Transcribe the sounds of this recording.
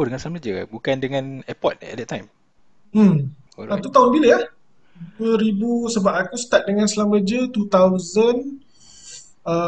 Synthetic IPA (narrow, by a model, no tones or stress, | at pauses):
odəŋãnsəlamləd͡ʒə̰bukandəŋãnɛpɔt̚ɛ̰t̚dɛt̚tːajm | m̩ | ant̪ut̪aʊnbiləah | duəɾibusəbapakusə̥t̪at̪̚dəŋãnsəlaməd͡ʒət̪ut̪awzən | ə